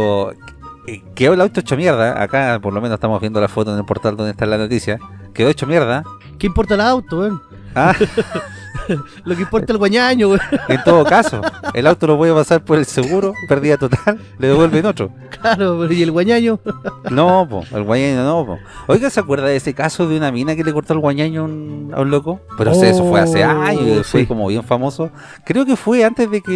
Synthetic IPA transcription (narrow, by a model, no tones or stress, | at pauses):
ekeoelawt̪oet͡ʃomje̞ɾðaʔa̰kapoɾlomenose̥t̪amoβjend̪olafot̪onelpo̞ɾt̪ald̪ond̪et̪aelːanot̪isjakeðot͡ʃomjeɾða | keimpoɾt̪alawt̪oem | a | lok̬eimpoaelɣwaɲaɲoent̪oðokaso̰elawt̪olopweðepasaɾpoɾelseɣuɾopeɾðiat̪ot̪alːeðeβwelβenotɾo̰ | klaɾopeɾojelɣwaɲaɲonopo̰ḛlɣwaɲaɲonopo̰ | ojɣaseakweɾðaesekasoðeunaminakelekoɾt̪oalɣwaɲaɲouna̰unlokopeɾoseesofweaseaɲoefwekomo̰βjeɱfamoso | kɾeokefweant̪ezðeke